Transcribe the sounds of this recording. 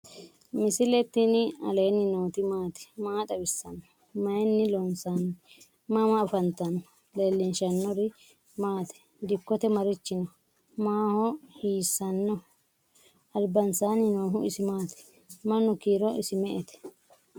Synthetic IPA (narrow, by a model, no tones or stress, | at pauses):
mɪsɪlɛt̪ːinɪɐ̰leːnːɪnoːt̪ɪmaːt̪ɛ̥maːt̪ɐbɪsːɐnːɔ | mɐjɛnːɪlɔnsan | mɐmɐɐfɐnt̪ɐnːɔ̥ | leːlːɪnʃɐnːɔɾɪ | maːt̪ɛ̥ | d̪ɪkːɔt̪ɛmɐɾɪt͡ʃːɪnɔ | maːhɔhiːsːɐnːɔ | ɐlbɐnsaːnɪnoːɦʊɪsɪmaːt̪ɛ̥ | mɐnːɔkiːɾɔʔɪsɪmɛʔɛt̪ɛ̥